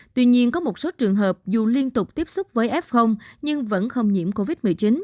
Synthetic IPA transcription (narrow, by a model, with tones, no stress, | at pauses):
t̪wi˧ɲi˧ənkɔ˨˦mo˨˩t̚so˨˦t͡ɕɨ˨˩əŋɦəː˨˩p̚zu˨˩li˧ənt̪ʊ˨˩k͡p̚t̪i˦˥əp̚sʊ˦˥k͡p̚vəː˨˦jʔɛ˦˥p̚xə˧wŋ͡mɲɨ˧ŋvə̰˧˥nxə˧wŋ͡mɲḭ˧˥əmko˧vi˦˥t̚mɨ˨˩əjt͡ɕi˨˦n